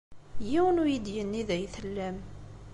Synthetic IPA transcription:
jiwənʊjid̪jənːiðæjθəlːæm

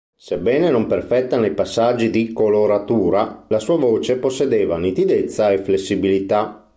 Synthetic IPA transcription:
sebːɛːnenomperfɛt̪ːanejpasːad͡ʒːid̪ikoloɾat̪uːɾalasuːavoːt͡ʃeposːed̪eːvanit̪id̪et̪sːaeflesːibilit̪a

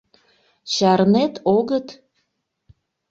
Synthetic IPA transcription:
t͡ɕɑɾnet̪oɣət̪

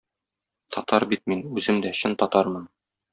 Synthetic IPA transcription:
t̪ʰɒt̪ɑɾbit̪̚minʉzɘmd̪æɕɤnt̪ɒt̪ɑɾmɤn

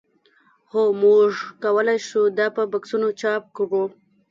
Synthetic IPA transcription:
xomuʐkawəlajʃud̪ɑpəbaksunot͡ʃɑp̚kɽu

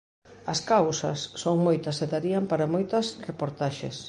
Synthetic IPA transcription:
ɐskawsɐsːoŋmojt̪ɐseðaɾiɐmpaɾɐmojt̪ɐsrepoɾt̪aʃḛs

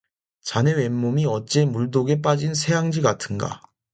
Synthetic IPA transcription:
t͡ɕane̞wemːomiʌt͡ɕ͈e̞muɭdoɡe̞p̬͈ad͡ʑinsʰe̞jaŋd͡ʑiɡatʰɯnɡa̰

